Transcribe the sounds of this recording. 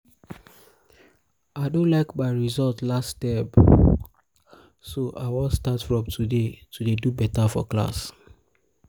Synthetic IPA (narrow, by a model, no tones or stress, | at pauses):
aɪdõnlaɪkbaɪɹizɔltlastɛp | soʔa̰wɔ̃statfɹɔ̃mtʰudetʰudedubɛtafɔ̰kla̰s